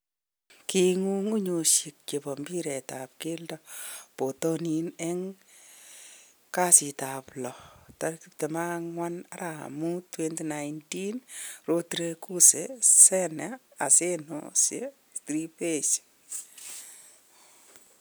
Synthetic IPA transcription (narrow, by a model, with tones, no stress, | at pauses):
ki˦ŋu˦ŋu˦ɲo˧ʃi˨k̚t͡ʃe˨bɔ˨mbi˦ɾɛ˨ta˨p̚kɪ˦ldɔ˦po˨to˦ni˦nɛ˦ŋ | ka˦si˨ta˨plɔ˨ta˦ɾki˦k̚te˨ma˦ŋwa˦na˦ɾʔa̰˨mu˦twe˦ntna˨jnti˦nro˧tɾe˧ku˦se˨sɛ˦na˨a˨se˦no̰˨sje˦ | stɾi˦pe˦˨t͡ʃe̥